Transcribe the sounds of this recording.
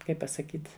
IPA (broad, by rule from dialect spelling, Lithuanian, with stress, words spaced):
ˈkɐɪp pɐsɐˈkʲiːt